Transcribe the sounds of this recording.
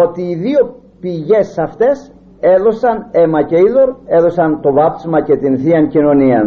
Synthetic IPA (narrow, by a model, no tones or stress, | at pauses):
o̞t̪iːðio̞ | piʝe̞sɐft̪e̞s | e̞ðo̞sɐne̞mɐce̞iðo̞ɾe̞ðo̞sɐnt̪o̞vɐp̪smɐce̞t̪inθiɐncino̞niɐn